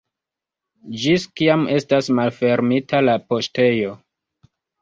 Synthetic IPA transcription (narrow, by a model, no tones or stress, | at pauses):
d͡ʒiskiame̞stasmalfe̞ɾmitalapo̞ʃte̞jo̞